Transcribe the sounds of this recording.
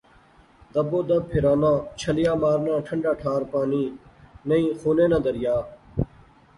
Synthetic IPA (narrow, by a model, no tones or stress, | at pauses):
d̪ɐboːd̪ɐpʰɪɾaːnãːt͡ʃʰɐlɪjaːmaːɾnãːʈʰɐɳɖaːʈʰaːɾpaːniːnɐĩːxuːneːnãːd̪ɐɾɪjaː